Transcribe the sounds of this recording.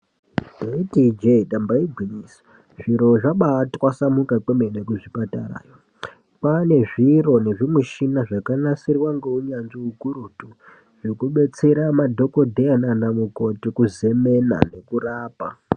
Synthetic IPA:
detid͡ʒeɗambaiɡʱinis | ʐiɾo̞ʐaɓatwasamukak͡pemenekuʐipata̰ra̰ːjo | pane̞ʐiro̞ne̞ʐimuʃinaʐakanasirwaŋɡeuɲanʐiukuɾutu | ʐekuɓe̞t͡se̞ɾamadʱo̞ko̞dʱeananamuko̞tikuze̞me̞na̰ne̞kuraːpa

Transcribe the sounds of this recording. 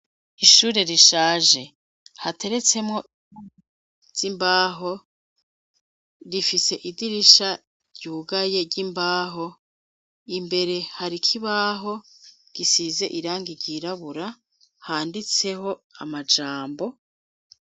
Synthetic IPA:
iʃuːɾe̞ɾiʃaːʒe̞ | hatʰe̞ɾe̞t͡se̞mŋo̞ | z̥imbaːɦo̞ | ɾifise̞ʔidiɾiʃa | ɾɟuːɡaje̞ɟimbaːɦo̞ | imbe̞ɾe̞haɾikʰiβaɦo̞ | ɡ̥isize̞̰ʔiɾaːŋɡiɟiɾaβuɾa | haːndit͡se̞ho̞amad͡ʒaːmbo̞

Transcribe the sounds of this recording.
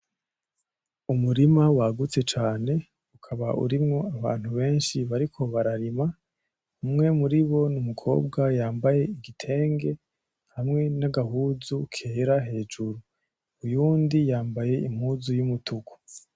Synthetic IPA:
umuɾimawaɡut͡se̞t͡ʃaːne̞ | ukʰaβaʔṵɾimŋo̞aβa̰ːn̥huβe̞ːnʃiβaɾikʰo̞βaɾaɾima | umŋe̞muɾiβo̞numukʰo̞̰ːb̚ɡajaːmbaje̞iɡitʰe̞ːŋɡe̞ | hamŋe̞naɡaɦuːzukʰe̞ːɾaɦe̞ːd͡ʒuɾu | ujuːndijaːmbaje̞im̥huːzujumutʰuɡo̥

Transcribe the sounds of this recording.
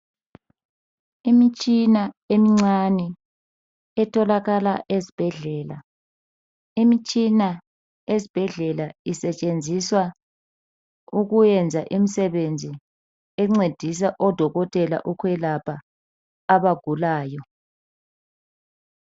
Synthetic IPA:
imit͡ʃʼinaemiŋ͡ǀanɛ | ɛtʰɔlaɣalaʔezib̥ʱɛɮɛːla̰ | imit͡ʃʼina | ezib̥ʱɛɮɛlaisɛt͡ʃʼend͡zʱiswa | uɣujɛnd͡zʱaʔimisɛβend͡zʱi | ɛŋ͡ǀed̥ʱis̬aʔɔd̥ʱɔɣɔtʼɛla̰ʔukʰwɛlapʰaː | βaɡ̥ʱulaːjɔ

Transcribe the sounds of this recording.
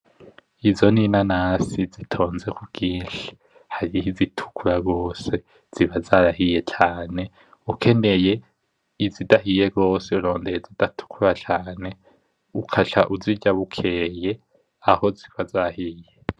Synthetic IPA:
izo̞ninanaːsizitʰo̞ːnze̞kuɡ̥iːnʃi̥ | haɾiizitʰu̥kʰuɾaɡo̞ːse̞ | z̥iβazaɾaɦije̞t͡ʃaːne̞ | ukʰe̞ne̞je̞ | izidaɦije̞ɡo̞ːseuɾo̞ːndejezidatʰu̥kʰuɾat͡ʃaːne̞ | ukʰat͡ʃaʔuziɟaβukʰeːje̞ | aho̞zikwazahije

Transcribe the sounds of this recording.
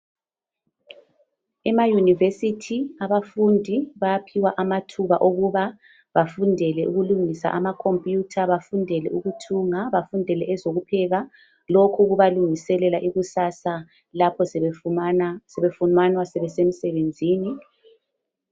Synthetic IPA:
ɛmajunivesitʰiaβafundʱiβapʰiwaʔamatʰuβaʔoɣuβa | βafundʱɛlɛʔuɣuluŋisa̰ʔamakʰompʼjutʰaβafundʱɛlɛʔuɣutʰuŋaβafundʱɛlɛɛzoɣupʰɛɣa | lokʰuɣuβaluŋisɛlɛlaʔiɣusasa | lapʰɔ | sɛβefunanwasɛβɛsem̩sɛβend͡zʱiːni

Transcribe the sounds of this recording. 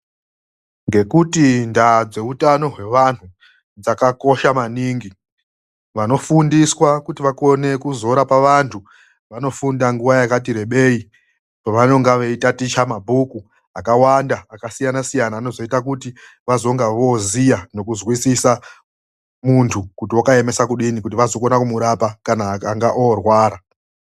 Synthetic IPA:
ŋɡe̞kutindad͡ze̞utano̞ɦwe̞ʋan̤u | d͡zakako̞ʃamaniːŋɡi | ʋano̞fundiswakutiʋako̞ne̞kuzo̞ɾapaʋantʰu | ʋano̞fundaŋɡuʋajakat̬iɾe̞ɓe̞i | paʋano̞ŋɡaʋeitatit͡ʃamabʱuku | akawandaːkasijanasijanaːno̞zo̞itakuti | ʋazo̞ŋɡaʋo̞zijano̞kuzwisisa | muntʰukutiokae̞me̞sakuɗinikut̬iʋazo̞ko̞nakumuɾapakanaːkaŋɡaʔorwaːɾa

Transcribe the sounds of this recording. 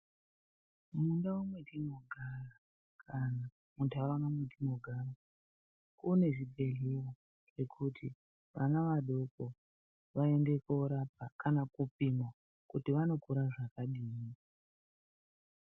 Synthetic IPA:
mundawumwetino̞ɡʱara | kʰana | muntʰawʋanamwetʰino̞ɡʱara | une̞ʐibʱe̞ɮiwo | ʐ̥e̞kʰutʰi | ʋanaʋaɗo̞ko | ʋae̞nde̞koɾap̚akanakupimo | kutiʋano̞kuɾaʐakaɗiːni

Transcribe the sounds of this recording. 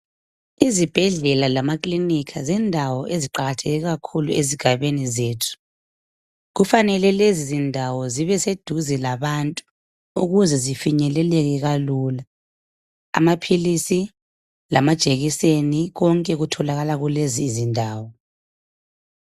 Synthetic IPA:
izib̥ʱɛɮɛlalamakʼlinikʰazɛndʱawɔʔeziǃaɣatʰɛɣɛɣakʰulueziɡ̥ʱaβenizeːtʰu̥ | ɣufanɛlɛlezizindʱawɔziβɛsed̥ʱuzɛlaβantʼu | uɣuzɛzifiɲɛlɛlɛɣɛɣaluːla̰ː | mapʰilisi | lamad̥ʒ̥ʱʼeɣiseniɣɔŋkʼɛɣutʰɔlaɣalaɣuleziːzindʱaːwɔ

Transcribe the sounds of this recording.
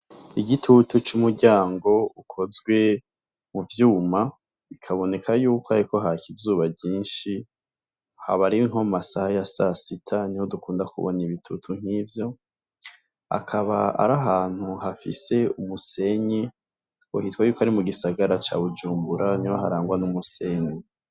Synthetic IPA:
iɡitʰutut͡ʃumuɾɟaːŋɡo̞ukʰo̞zɡwe̞ | muvjuːma | ikʰaβo̞ne̞kʰajuːkoaɾiko̞ɦacizuːβabɟiːnʃi | ha̰βaɾiŋo̞masahajasasitʰaniho̞dukuːndakuβo̰niβitʰutʰuŋ̥hivjo̞ | a̰kʰaβaa̰ɾaɦaːn̥huhafḭse̞umuse̞ɲe | ohitwajuːkohaɾimuɡisaɡaɾat͡ʃa̰βud͡ʒuːmbuɾʔanihoɦaɾaːŋɡwanumuse̞ɲe

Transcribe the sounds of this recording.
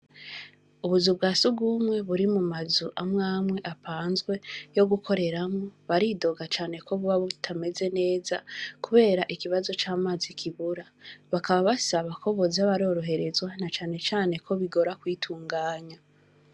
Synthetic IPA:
uβuzubɡaːsuɡuːmŋe̞βuɾimumazuʔamŋaːmwe̞ʔapaːnzɡwe̞jo̞ɡukʰo̞ɾe̞ɾamoβaɾido̞ɡat͡ʃaːne̞kʰo̞βuβaβutʰame̞ze̞ne̞ːzakuβe̞ːɾaʔikiβazo̞t͡ʃaːmaːzikʰiβuɾa | βakaβaβasaβakʰo̞βozaβaɾo̞ːɾo̞ɦe̞ɾe̞zwanat͡ʃaːne̞t͡ʃaːne̞kʰo̞βiɡo̞ɾakwiːtʰuːŋɡaːɲa

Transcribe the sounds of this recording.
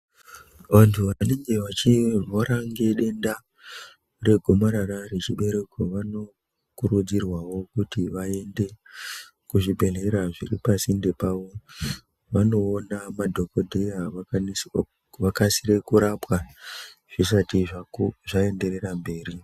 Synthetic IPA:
ʋantʰuʋane̞ŋɡe̞ʋat͡ʃirwoɾaŋɡe̞ɗe̞nda | re̞ɡʱomaɾararet͡ʃiɓe̞ɾe̞koʋano̞ | kuɾud͡zirwawo̞kutiʋae̞nde̞ | kuʐibʱe̞ɮeɾaʐḭripasinde̞paːʋo̞ | ʋano̞ːnamadʱo̞ko̞dʱea | ʋakasiɾe̞kuɾapwaʐ̥isatiʐaʐae̞nde̞ɾe̞rambe̞ːɾi

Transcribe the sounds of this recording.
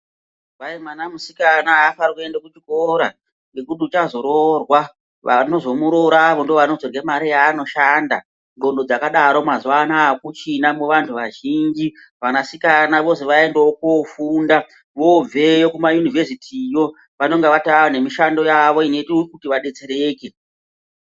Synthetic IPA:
ʋaemwanamusikanaːfaɾikue̞ndakut͡ʃikoɾa | ŋɡekutiut͡ʃazo̞ɾorwa | ʋano̞zo̞muɾoɾaʋo̞ndoʋanod͡zorɡemaɾijaːno̞ʃaːnda̰ | ŋɡo̞ndo̞d͡zakaɗaɾomazuʋanaːkut͡ʃinamuʋantʰuʋaʒind͡ʒi | ʋanasikanaʋo̞siʋae̞ndeokofunda | ʋo̞ve̞jokumajunivʱe̞sitʰijo̞ | ʋano̞ŋɡeʋataone̞miʃando̞jaʋo̞ine̞tiukutiʋaɗe̞t͡seɾeːke

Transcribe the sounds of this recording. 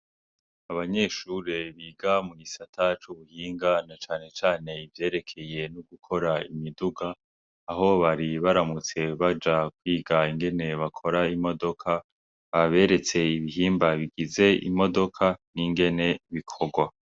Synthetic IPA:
aβaɲe̞ʃuɾeβiːɡamuɡisatʰat͡ʃuβuhiːŋɡanat͡ʃaːne̞t͡ʃaːne̞ivje̞ːɾe̞kʰe̞je̞nuɡukʰo̞ɾaimiduɡaː | ɦo̞βaɾiβaɾamut͡se̞βad͡ʒakwiːɡaiŋɡe̞ne̞βakʰo̞ɾaimo̞do̞kʰa | βaβe̞ːɾe̞t͡se̞iβiɦiːmbaβiɡize̞ḭmo̞do̞kʰaniŋɡe̞ne̞βikʰo̞ɡwa

